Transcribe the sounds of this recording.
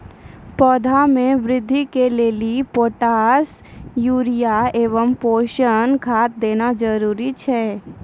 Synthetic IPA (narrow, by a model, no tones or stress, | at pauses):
pɔːd̪ʱamẽʋɾɪd̪ʱːikeleːlipoːʈaːs | juːɾijaeːʋəmpoːʃənkʰaːt̪̚d̪eːnad͡ʒəɾuːɾit͡ʃʰɛː